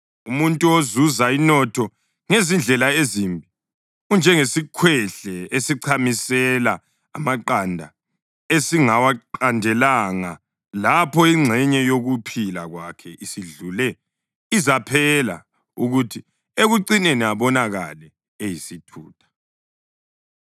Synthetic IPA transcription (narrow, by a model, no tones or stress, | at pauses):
umuntʼuozuzainɔtʰɔ | ŋezind͡ɮʱɛlaezimbʱi | und͡ʒʱɛŋesikʰwɛɬɛesiǀʰamisɛla | a̰maǃandʱa̰ | esiŋawaandʱɛlaŋa | lapʰɔiŋ͡ǀʱɛɲɛjoɣupʰila̰ɣwakʰɛʔisiɮulɛ | izapʰɛla̰ | uɣutʰi | eɣuǀineniaβɔnaɣa̰lɛ | ejisitʰṵːtʰḁ